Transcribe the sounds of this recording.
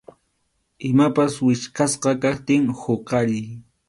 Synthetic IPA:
ɪmapaswɪʃkasqɑkaχt̪ɪŋhoqɑɾɪj

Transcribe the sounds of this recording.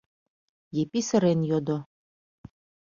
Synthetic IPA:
jepisə̆ɾenjod̪o

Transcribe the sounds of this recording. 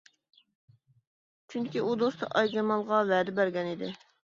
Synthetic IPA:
t͡ʃʰyŋkʲiʔud̪ost̪ɑ̰ʔɑjɡɛmɑlˠʁɑlæd̪ɪbæɾɡʲɛnid̪ɪ

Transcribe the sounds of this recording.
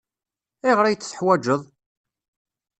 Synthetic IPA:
ɪʁɾæjət͡sːθə̥ħwæd͡ʒəðˤ

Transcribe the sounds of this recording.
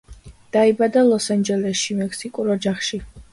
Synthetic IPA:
d̪̥aibad̪alˠɔsand͡ʒɛlɛsʃimɛkʰsikʼuɾɔd͡ʒaχʃi

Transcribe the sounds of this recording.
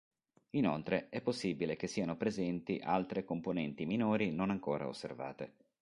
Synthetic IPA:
inolt̪ɾeɛpːosːibilek̟esːiːanopɾezɛnt̪iʔalt̪ɾekomponɛnt̪iminoːɾinonaŋko̰ːɾa̰o̰sːḛrva̰ːt̪ḛ

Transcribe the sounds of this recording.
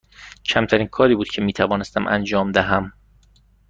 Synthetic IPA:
cʰæmt̪ʰæɾiːnkʰɒːɾiːbuːd̪̥̚cʰemiːt̪ʰævɒːnest̪æmʔæ̰nd͡ʒɒːmd̪æɦæm

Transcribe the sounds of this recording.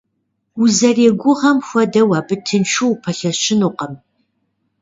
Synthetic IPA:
uzɐreːɡʷʊʁɐmxʷɐdɐwaːbɨtʰɨnʃuwpʰɐɬɐɕɪnuːqɐm

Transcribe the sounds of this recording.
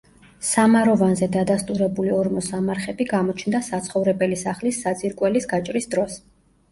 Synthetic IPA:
samaɾɔvanzɛd̪ad̪ast̪ʼuɾɛbuliɔɾmɔsamaɾχɛbiɡamɔt͡ʃʰnd̪asat̪sʰχɔvɾɛbɛlisaχlisːad̪zʼiɾkʼwɛlisɡat͡ʃʼɾisd̪ɾɔs

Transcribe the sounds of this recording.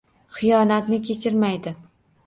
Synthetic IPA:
χɨjɒnat̪nɪkʲʰe̞t͡ʃʰɪɾmajd̪ɪ

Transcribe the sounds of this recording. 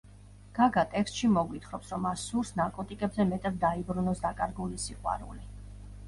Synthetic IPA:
ɡ̥aɡat̪ʼɛkst̪ʃimɔɡwit̪ʰχɾɔpsɾɔmasuɾsnaɾkʼɔt̪ʼikʼɛbzɛmɛt̪ʼad̪̚d̪aibɾunɔsd̪akʼaɾɡulisiqʼwa̰ɾṵli

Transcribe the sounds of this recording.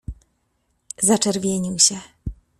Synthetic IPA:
zat͡ʂɛɾvʲjeɲiwɕɛ

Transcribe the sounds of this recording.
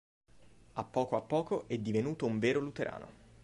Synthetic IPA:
apːɔːkoapːɔːkoʔɛd̪ːivenuːt̪ouɱveːɾolut̪eɾʔa̰ːnʔo̰

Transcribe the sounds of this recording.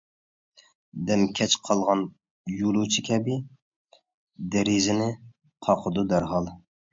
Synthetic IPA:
d̪ɛmkʲʰɛt͡ʃqʰɑlˠʁɑn | julˠut͡ʃʰikʲʰɛbɪ | d̪eɾizɪnɪ | qʰɑqʰəd̪ud̪æɾɦɑlˠ

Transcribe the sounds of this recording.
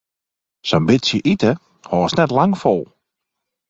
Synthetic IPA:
sonbɪsjəʔitə | hɔːsnɛtlaŋfolˠ

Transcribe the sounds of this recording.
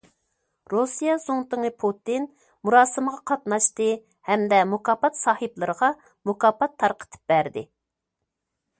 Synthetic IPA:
ɾusijɑzoŋt̪ɨŋɨpʰut̪ɨn | muɾɑːsɨməʁɑqʰɑt̪nɑʃt̪ɨ | hɛmd̪ɛmukɑpːɑt̪sɑːhɨblˠɨɾəʁɑ | mukɑpːɑt̪ʰːɑɾqʰə̥t̪ʰɨ̥p̚bæɾd̪ɪ̰

